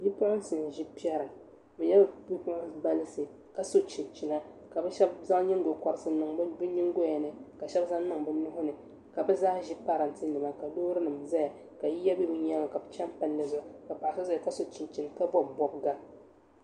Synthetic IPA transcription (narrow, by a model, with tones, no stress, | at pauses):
bi˦pʊ˦ʔʊ˦sɨ˨n˨ʒi˦pi˦ɛ˦ɾɨ˨ | bɨ˨ɲɛ˦bbi˦pʊ˦ʔʊ˦nba˦lɨ˦sɨ˨ | ka˨so˦t͡ʃɪ˨nt͡ʃɪ˨na˦ | ka˨bɛ˦ʃɛ˦bza˦ŋɲi˦ŋ˦ɡo˨kɔ˨ɾɨ˨˦sɨ˦nɨ˨ŋ˦bɨ˦ɲi˦ŋ˦ɡo˦ja˨nɨ˨ka˨ʃɛ˦bza˦nɨ˦ŋbɨ˦nʊ˦hʊ˦nɨ˨ | ka˨bɨ˦zaː˦ʒi˦pa˦ɾɨ˨n˨tɨ˦nɨ˨ma˦ka˨loː˦ɾɨ˦nɨ˨mza˦ja˨ | ka˨ji˦ja˦bi˦bʊ˦ɲa˦ŋa˨ka˨bɨ˨˦t͡ʃɛ˦mpa˦nː˦ɨ˨zʊ˨ʔka˨pa˨ʔa˨so˦za˦ja˨ka˦so˨t͡ʃɪ˨nt͡ʃi˨nta˦bɔ˦bɔ˦b̚ɡa˦